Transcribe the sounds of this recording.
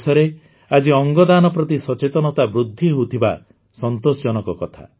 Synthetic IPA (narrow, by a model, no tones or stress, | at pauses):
sɔɾe | ad͡ʒiɔŋɡɔd̪anɔpɾɔt̪isɔt͡ʃet̪ɔnɔt̪abɾud̪ʱːiɦout̪ʰiba̰ | sɔnt̪osd͡ʒɔnɔkɔkɔt̪ʰa̰